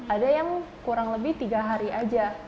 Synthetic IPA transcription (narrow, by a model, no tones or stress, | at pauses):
adajaŋ | kuɾaŋləbɪht̪iɡaɦaɾiʔad͡ʒa